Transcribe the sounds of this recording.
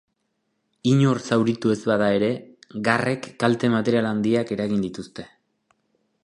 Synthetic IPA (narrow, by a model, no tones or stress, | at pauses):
iɲorsawɾit̪ue̞zβaðae̞ɾe̞ɡare̞kːalt̪e̞mat̪e̞ɾialand̪iake̞ɾaɣind̪it̪ust̪e̞